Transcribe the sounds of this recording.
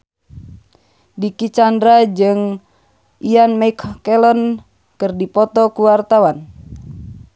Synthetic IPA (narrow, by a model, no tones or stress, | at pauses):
dikit͡ʃandɾad͡ʒɨŋ | ianmajkʰkɛlɔn | kɨrdipɔt̪ɔkuwart̪awan